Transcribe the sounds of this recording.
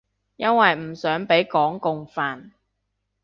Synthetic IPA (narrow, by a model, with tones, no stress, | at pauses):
jɐ˥nwɐ˨jm̩˨˩sœː˨˥ŋpe˨˥jkɔː˨˥ŋkʊ˨ŋfaː˨n